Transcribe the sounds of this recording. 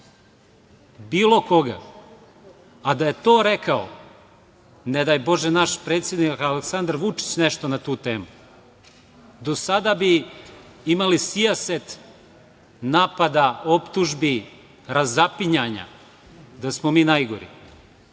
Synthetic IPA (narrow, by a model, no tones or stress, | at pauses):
biːlo̞koɡa̰ | ad̪ajet̪oːɾekao̰ | ned̪ajbo̞ʒenaʃpɾeːt̪sje̞d̪nikaleksand̪aɾʋut͡ʂi̥t͡ɕneʃt̪onat̪uːt̪eːmu | d̪o̞sad̪abi | imalisiaset̪ | naːpad̪ao̞pt̪uʒbi | ɾazapiɲaɲa̰ | d̪asmomiːnajɡo̰ɾḭ